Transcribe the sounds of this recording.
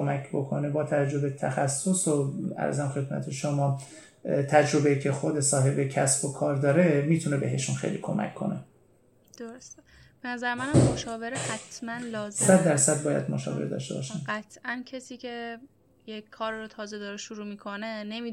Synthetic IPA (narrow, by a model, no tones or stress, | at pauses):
komækʰbokʰo̞̰nebɒːt̪ʰævæd͡ʒːo̞bet̪ʰæxæsːosoæ̰ɾzæmxe̞d̪mæ̰t̪ʰeʃomɒː | t̪ʰæd͡ʒɾo̞beicʰe̞xod̪esɒːɦe̞becʰæsb̥okʰɒːɾd̪ɒːɾemiːt̪ʰune̞be̞ɦeʃunxḛjlḭːkʰo̞̰mʔæ̰cʰːo̞̰ne | d̪̥oɾose | b̥enæzæɾemænæmːmoʃɒːveɾehæt̪ʰmænlɒːzsæd̪̚ːæɾsæd̪̚bɒːjæ̰d̪moʃɒ̰ːvḛɾd̪ɒ̰ːʃt̪e̞bɒ̰ʃænɢæt̪ʰʔæncʰesiːcʰe | jekʰːɒːɾiɾot̪ʰɒːzed̪ɒɾeʃuɾuːmiːkʰonenemi